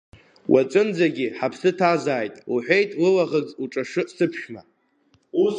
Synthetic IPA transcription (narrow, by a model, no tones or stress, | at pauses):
wʔat͡sʼɨnd͡zaɡʲiħapʰsɨtʰazaːjtʼuħʷᶣe̞jtʼlɨlaʁəd͡zuʈ͡ʂʼaʂɨsɨpʰʃᶣma | u